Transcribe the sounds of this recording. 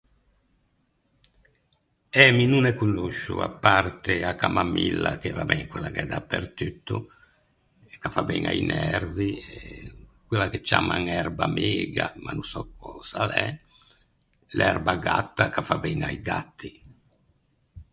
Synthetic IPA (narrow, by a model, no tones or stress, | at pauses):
ɛminunɛkunːuʃːṵapːart̪eakːamamilːakevabɛŋkwelːakɛd̪apːeɾt̪yt̪ːu | ɛkːafabɛŋa̰inɛrviɛkwelːaket͡ʃːaːmaŋɛɾbameːɡamanunsɔkʰɔsalɛ | lɛrbaɡat̪ːakafabɛŋaiɡat̪ːi